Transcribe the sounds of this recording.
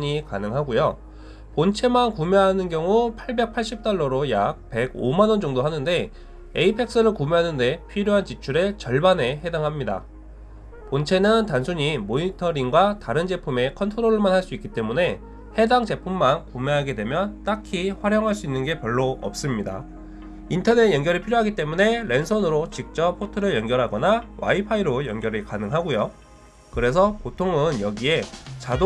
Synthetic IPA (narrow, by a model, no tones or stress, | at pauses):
ɲikanɯŋɦaɡujo | pont͡ɕʰe̞mankumjeɦanɯnɡjʌŋupʰaɭbe̞k̚pʰaɭɕ͈ip̚t͈aɭːʌɾojak̚pe̞ɡo̰manʌnd͡ʑʌŋdoɦanɯnde̞ | ḛipʰe̞k̚s͈ɯɾɯɭkumjeɦanɯnde̞pʰiɾjoɦant͡ɕit͡ɕʰuɾet͡ɕʌɭbane̞ɦe̞daŋɦamɲida̰ | pont͡ɕʰe̞nɯntansʰuɲimoitʰʌɾiŋɡwataɾɯnd͡ʑe̞pʰume̞kʰʌntʰoɾoɾɯɭmanhaɭs͈uik͈it͈e̞mune̞ | he̞daŋd͡ʑe̞pʰumːankume̞ɦaɡe̞dwe̞mjʌt͈akʰiɸwaɾjʌŋɦaɭs͈uinːɯnɡe̞pjʌɭːoʌ̰p̚s͈ɯmɲida̰ | intʰʌne̞tjʌŋɡjʌɾɯɭpʰiɾjoɦaɡit͈e̞mune̞ɾe̞nsʰʌnɯɾot͡ɕik̚t͡ɕ͈ʌp̚pʰːotʰɯɾɯɭjʌnɡjʌɾɦaɡʌnawa̰ipʰaiɾojʌŋɡjʌɾikanɯŋɦaɡojo | kɯɾe̞s̬ʰʌpotʰoŋɯnjʌɡie̞t͡ɕado